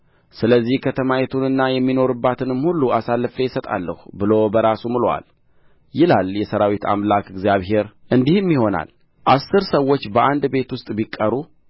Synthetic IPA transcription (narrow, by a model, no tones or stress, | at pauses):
sɨləzːihkʰət̪ʰəmajɛt̪ʰunɨnːajɛmːino̞ɾɨbːat̪ʰɨnɨmhulːuasalːɨfejɪsət̪ʼa̰lːə̰hubɨlo̞bəɾasumɨlowa̰l | jɪlaljɛsəɾawit̪ʰa̰mlakɨɡzijaβɦe̞ɾʔɨnd̪ihɨnjiho̞na̰l | ʔasːɨɾsəwːo̞t͡ʃːbəʔand̪be̞t̪wʊst̪ʼbikʼːəɾu